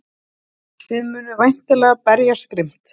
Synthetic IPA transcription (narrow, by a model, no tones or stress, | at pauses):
θɪðmʏːnʏvajn̥t̪ɪlɛːɣapɛɾjḁst̪ɾɪm̥t̪